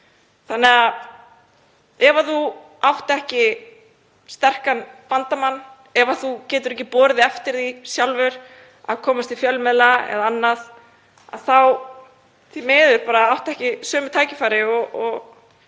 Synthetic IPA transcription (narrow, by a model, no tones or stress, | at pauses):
θanːɛa | ɛvaθu | awht̪ɛhcɪ | st̪ɛr̥kanpant̪amanː | ɛvaθucɛːt̪ʏɾɛhcɪpɔːɾɪðɪɛft̪ɪɾðisjawlvʏɾ̥ | a̰ðkʰɔːmast̪ɪfjœlmɛðlaɛ̰ðaanːað | a̰ðθaw | θimɛːðʏɾpaːɾaawht̪ɛhcɪsœːmʏt̪ʰaːjcɪfaːjɾɪɔɔɣ